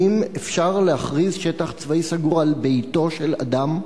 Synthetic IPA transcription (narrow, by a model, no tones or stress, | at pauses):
imefʃaʁleaχʁizʃetaχt͡svaisaɡuʁalbejto̞ʃela̰d̪am